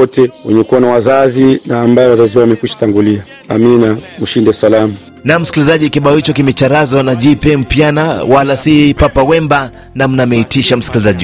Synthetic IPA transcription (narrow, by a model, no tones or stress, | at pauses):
ɔtɛwɛɲɛkuanawazazinaːmbajɛwazaziwawamɛkiʃḁtaŋɡulia | aminam̩ʃindɛsalamu | nam̩si̥kilizaʄikiɓaɔhit͡ʃɔkimɛt͡ʃaɾazɔnaʄipɛm̩pjanawalasipapawɛmba | nam̩namɛitiʃam̩si̥kilizaʄi